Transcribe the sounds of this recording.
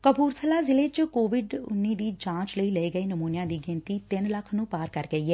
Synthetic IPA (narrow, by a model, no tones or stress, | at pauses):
kəbuːɾsəlaːzɪleːt͡ʃkoːʋɪɖʊ̰nːiːd̪iːd͡ʒãːt͡ʃləiːləeːɡəiːnəmuːnjãːd̪iːɡɪ̃nt̪iːt̪ɪnləkʰnũːpaːɾkəɾɡəiːɦɛː